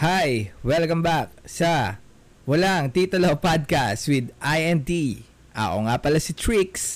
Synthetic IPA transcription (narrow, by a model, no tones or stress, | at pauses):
hajwɛlkɐ̃mbak̚sɐ | wɐlaŋt̪it̪ɐlopad̪̚kast̪wɪd̪ʔajɛnt̪i | ʔɐ̰ʔo̞̰ŋapɐlasɐt̪ɹiks